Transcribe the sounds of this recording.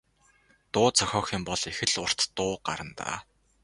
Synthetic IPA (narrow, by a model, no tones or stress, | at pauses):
t̪ʊːt͡sʰɔxʲɔːxɪːmpɔɮexɘ̆ɮʊr̥t̪t̪ʊːɢa̰ɾə̆nt̪a̰ː